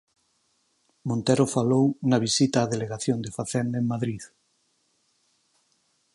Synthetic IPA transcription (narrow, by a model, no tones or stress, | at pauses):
mõnt̪eɾofalownɐβ̞isit̪aːðeleɣaθjond̪efaθɛnd̪eŋmaðɾið